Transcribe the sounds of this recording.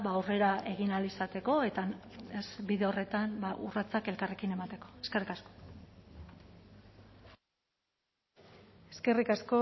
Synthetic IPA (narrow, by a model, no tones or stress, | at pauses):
βaore̞ɾaʔe̞ɣinalisat̪e̞ko̞e̞t̪aezbiðe̞o̞re̞t̪ambaʔṵrat͡sake̞lkare̞kine̞mat̪e̞ko̞̥e̞ske̞rikasko̥ | eske̞rikasko̞